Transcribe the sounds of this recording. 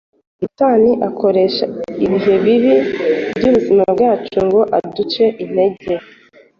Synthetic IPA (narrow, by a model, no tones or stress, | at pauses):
itaːniʔakʰo̞ɾe̞ʃaiβiɦe̞βiβibɟuːβuzimabɡaːt͡ʃuŋɡo̞ʔadut͡ʃe̞ʔin̥e̞ɟe